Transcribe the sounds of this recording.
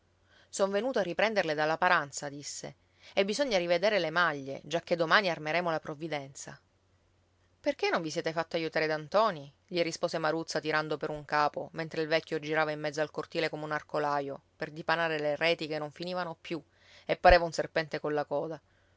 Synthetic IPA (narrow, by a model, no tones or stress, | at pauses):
soɱvenuːt̪oarːipɾɛnd̪erled̪alːapaɾant̪sad̪isːḛ | ebːizoɲːaɾived̪eːɾelemaʎːḛd͡ʒakːed̪ːomaːniarmeɾɛːmolapɾovid̪ɛnt̪sa̰ | perkenːõɱvisjɛːt̪efat̪ːoajut̪aːɾed̪ant̪ɔːni | ʎirispoːsemaɾut̪sːat̪iɾand̪opeɾuŋkaːpoment̪ɾeilvɛkʲːjod͡ʒiɾaːvaimːɛd̪zːoalkort̪iːlekomeunarkolaːjoperd̪ipanaːɾelerɛːt̪ikenːoɱfiniːvanopju | epːaɾeːvaunserpɛnt̪ekolːakɔːd̪a